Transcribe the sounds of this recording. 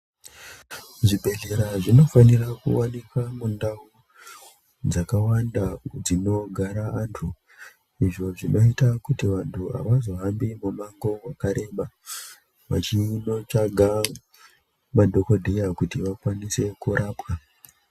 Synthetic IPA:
ʐibʱe̞ɮe̞ɾaʐino̞fanirakṵwanikamundau | d͡zakawandad͡zino̞ɡʱaɾaantʰu | iʐo̞ʐino̞itakutiʋantʰua̰ʋazo̞ɦambimumaŋɡo̞wakaɾe̞ɓa | ʋa̰t͡ʃino̞t͡ʃaɡʱa | madʱo̞ko̞dʱejakutiʋakwanise̞kuɾʔaːpwa

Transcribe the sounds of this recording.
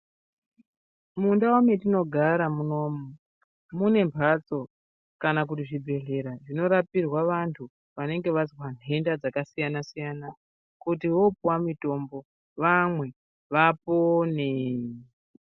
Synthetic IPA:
mundawometino̞ɡʱaɾamuno̞mu | mune̞mpʰat͡so̞ | kanak̬utiʐibʱe̞ɮe̞ɾaʐino̞ɾapirwaʋantʰu | ʋane̞ŋɡe̞ʋazwan̤e̞ndad͡zakasijanasijana | kutiʋo̞pwamito̞mbo̞ | ʋamwe̞ | ʋapone

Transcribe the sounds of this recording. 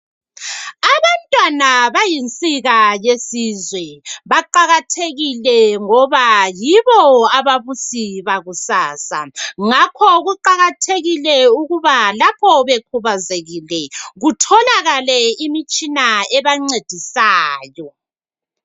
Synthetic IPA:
aβantʼwanaβajint͡sʼiɣajesizwɛβaǃaɣatʰeɣilɛŋɔβajiβɔaβaβusiβaɣusaːsa̰ŋakʰɔɣuǃaɣatʰeɣilɛuɣuβalapʰɔβekʰuβazeɣilɛɣutʰɔlaɣalɛimit͡ʃʼinaɛβaŋ͡ǀed̥ʱisaːjɔ

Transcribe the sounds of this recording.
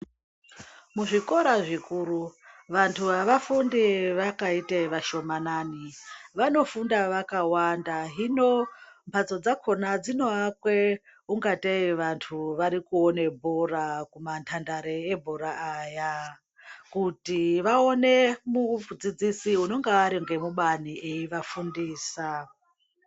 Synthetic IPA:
muʐiko̞ɾaʐikuɾuʋantʰuʋaʋafundiʋakaiteʋaʃo̞mananiʋano̞fundaʋakawandaɦino̞mpʰat͡so̞d͡zakʰonad͡zino̞akwe | uŋɡateiʋantʰuʋaɾikuone̞bʱoɾakumantʰandaɾeebʱoɾaːja | kutiʋao̞ne̞mud͡zid͡zisiuno̞ŋɡaːɾiŋɡe̞muɓanieiʋafundiːsa

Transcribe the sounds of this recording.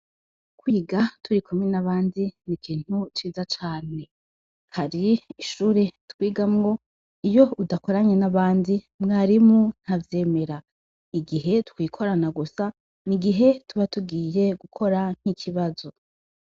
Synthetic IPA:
kwiːɡatʰuɾikʰomwenaβaːndinikʰiːn̥hut͡ʃiːzat͡ʃaːne̞ | haɾiːʃuːɾe̞twiːɡamŋo̞ | ijo̞udako̞ɾaɲe̞naβaːndi | mŋaːɾimun̥havje̞ːme̞ɾa | iɡiɦe̞tukwiːkʰo̞ɾanaɡusa | niɡiɦe̞tʰuβatuɡiːje̞ɡukʰo̞ɾaŋ̥hikʰiβazo̞

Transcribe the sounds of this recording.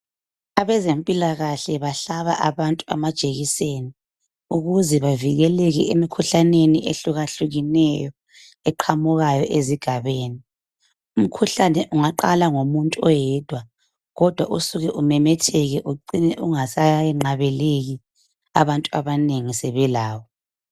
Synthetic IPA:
aβɛzempʼilaɣaɬɛβaɬaβaʔaβantʼua̰mad̥ʒ̥ʼʱeɣiseːni | uɣuzɛβaviɣɛlɛɣɛemikʰuɬaneniʔeɬuɣaɬuɣinɛjɔ | ɛǃʰamuɣajɔʔeziɡ̥ʱaβeːni | um̩kʰuɬanɛʔuŋaǃalaŋomuntʼuɔjɛd̥ʱwa | ɣɔd̥ʱwaʔusuɣɛʔumɛmɛtʰɛɣɛʔuǃinɛʔuŋasajɛŋ͡ǃaβɛleɣi | a̰βantʼuaβaneŋisɛβɛlaːwɔ

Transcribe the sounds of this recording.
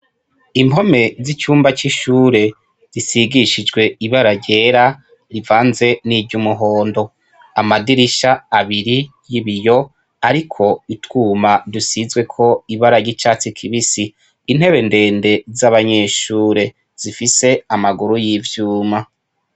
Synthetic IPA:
imbo̞me̞zit͡ʃuːmbat͡ʃiʃuːɾe̞ | z̥isiɡiʃid͡ʒɡwe̞iβaɾaɟe̞ːɾa | ɾivaːnze̞niːbɟumuɦo̞ːndo̞ | amadiɾiʃaːβiɾi | jiβijo̞ | aɾikʰo̞itwuːmadusizwe̞kʰo̞iβaɾaɾɟit͡ʃaːt͡sikʰiβisiː | n̥he̞βe̞nde̞ːnde̞zaβaɲe̞ːʃuːɾe̞ | z̥ifise̞amaɡuɾujivjuːma

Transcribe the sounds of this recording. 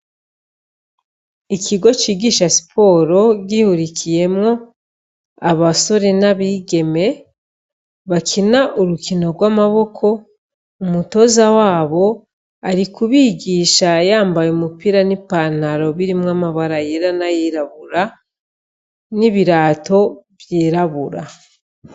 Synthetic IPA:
ikʰiɡo̞t͡ʃiːɡiːʃasi̥pʰo̞ːɾo̞ɟihuɾikije̞mŋo̞ | aβaso̞ɾe̞naβiːɡe̞me̞ | βakʰinaʔuɾukino̞ɾɡwaːmaβo̞kʰo̞ | umuto̞zawaːβo̞ | aɾikuβiɡiːʃajaːmbajumupiɾanipan̥haɾo̞βiɾimŋamaβaɾajeɾanajiɾaβuɾa | niβiɾaːto̞βjiːɾaβuɾa

